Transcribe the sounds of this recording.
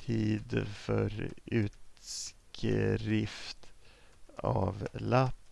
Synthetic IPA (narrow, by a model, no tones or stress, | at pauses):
iːd̪fœɾʉ̟ːt̪skʰɾɪft̪ | ɑːvlap